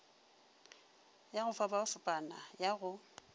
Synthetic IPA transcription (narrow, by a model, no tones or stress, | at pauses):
jaɣʊfabaʊsʊpʼanajaɣʊ